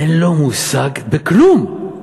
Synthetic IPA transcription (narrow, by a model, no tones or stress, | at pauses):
ɛnlomusaɡbəkʰlum